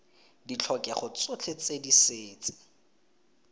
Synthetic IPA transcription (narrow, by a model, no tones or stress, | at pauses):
dit͡ɬʰɔkʼɛχɔt͡sʊt͡ɬʰet͡sediseːt͡sʼɪ̥